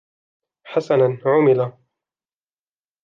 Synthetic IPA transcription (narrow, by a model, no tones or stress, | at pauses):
ħasananʕʊmɪla